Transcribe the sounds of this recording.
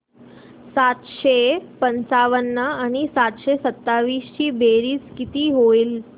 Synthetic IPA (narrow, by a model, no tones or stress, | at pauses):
sat̪ɕepənt͡saʋənːəaɽ̃isat̪ɕesət̪ːaʋiːst͡ɕiːbeɾiːt͡skit̪iːɦoiːl